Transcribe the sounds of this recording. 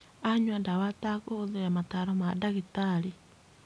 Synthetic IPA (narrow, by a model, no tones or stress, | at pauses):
aɲwandawatakoðejamataɾomadaɣitaɾi